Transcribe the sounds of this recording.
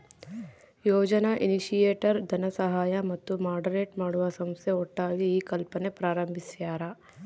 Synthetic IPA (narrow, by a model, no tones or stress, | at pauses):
joːd͡ʒɐnaʔiniʃijeːʈɐɾd̪ʱɐnɐsɐɦaːjamɐt̪ːumaːɾɖɐɾeːʈmaːɽuʋasɐmseoʈːaːɡiikɐlpənepɾaːɾɐmbʱisjaːɾaː